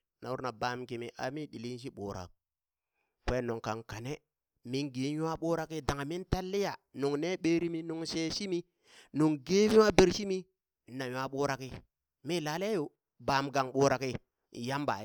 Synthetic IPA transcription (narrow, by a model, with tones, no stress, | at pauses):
na̰˨wu˦ɾna˨ba˨mki˨mi˨ʔa̰˨mi˦ɗi˨li˦nʃ̬i˦ɓo̰ː˨ɾa̰˨k̚ | ke˦˨no˨ŋka˨ŋka˨ne˦ | mi˦nɡi˨˦ja˦ɓoː˦ɾa˨ki˦da˨ŋa˨mi˦nta˦lːi˦ja˨nu˨ŋne˦ɓe˦ɾi˦mi˦nu˨ŋse˦ʃi˦mi˦ | nu˨ŋɡe˦vi˦wa˦be˦˨ɾʃi˦mi˦˨ | na˨ja˦ɓoː˦ɾa˨ki˦ | mi˦˨laː˨˦le˦o˨ | ba˨mɡa˨ŋɓoː˨˦ɾa˨ki˦˨ | ja˦mba̰˨˦